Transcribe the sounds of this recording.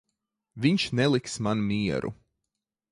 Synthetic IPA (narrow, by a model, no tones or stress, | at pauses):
viɲʃnɛlˠiksmanmiɛɾṵ